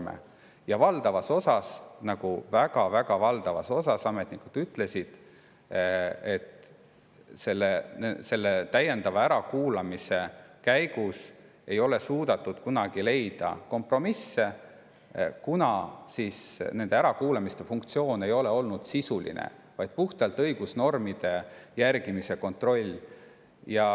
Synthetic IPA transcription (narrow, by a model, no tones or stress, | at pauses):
mḛ | jɑvɑld̪̥ɑvɑso̞sɑsnɑɡ̥uvæɡ̥ɑvæɡ̥ɑvɑld̪̥ɑvɑ̰so̞sɑsɑme̞t̪nikud̪̥yt̪ːˑle̞sid̪̥ | e̞t̪ | se̞lːese̞lːet̪æje̞nd̪̥ɑvɑæɾɑkuːlɑmise̞kæjɡ̥us | e̞jo̞le̞suːd̪ɑt̪ːˑud̪̥kunɑɡ̥ile̞jd̪̥ɑ̰ko̞mpro̞misːe̞ | kunɑsisne̞nd̪eæɾɑkuːlɑmist̪e̞fuŋkt̪sio̞ːne̞jo̞le̞o̞lnud̪̥sisulḭnḛ | vɑjd̪̥̚puht̪ɑlt̪ˑɤjɡ̥usno̞rmid̪̥e̞jærɡ̥imise̞ko̞nt̪ro̞lʲː | jɑ